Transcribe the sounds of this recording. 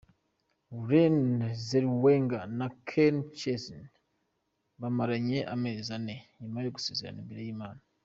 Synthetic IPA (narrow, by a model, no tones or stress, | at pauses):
uɾenzeɾweŋɡanakʰent͡ʃezn | βamaɾaɲe̞ʔa̰meːzaneɲimajoɡuse̞ːzeɾa̰nimbeɾejiːmaːna